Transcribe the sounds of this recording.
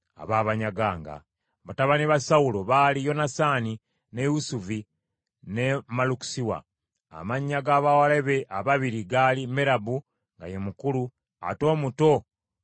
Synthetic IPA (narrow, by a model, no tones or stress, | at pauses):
a̰βaːβaɲaɡaːŋɡa̰ | βataβaniβasawuloβaːlijo̞nasani | ne̞jusuvi | nemaluku̥siwa̰ | a̰maɲːaɡaːβawaleβeʔaβaβiɾiɡalimeɾabu | ŋɡa̰jemukulu | a̰to̞ːmuto̞